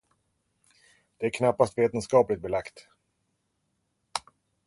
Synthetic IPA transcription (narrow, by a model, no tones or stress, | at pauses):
d̪̥ɛæɾkʰnapːast̪veːt̪ənskɑːplɪt̪̚bɛlakt̪